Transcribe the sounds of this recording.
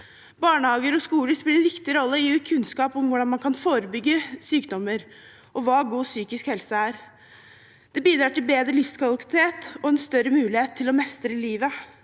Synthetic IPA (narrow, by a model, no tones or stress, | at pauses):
bɑːɳəhɑːɡəɾɔskuːləspɪlːəɛnʋɪkt̪ɪɾɔlːəɪʉːkʰʉnskɑːpɔmʋʊɖɑnmɑnkʰɑnfoːɾəbʏɡːəsyːkd̪ɔmːəɾ | ʔɔʋɑːɡuːsyːkɪskhɛlsəæːɾ | d̪̥ɛbiːd̪ɾɑːʈɪlbeːd̪ɾəlɪfskɑlkɪ̥t̪ʰeːt̪ɔɛnst̪œɾəmʉːlɪheːt̪ʰːɪlɔmɛst̪ɾəɪliːʋə